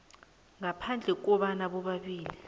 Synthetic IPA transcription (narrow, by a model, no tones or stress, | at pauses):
ŋapʰand͡ɮʱɛk̬ɔɓanaɓɔɓaɓiːli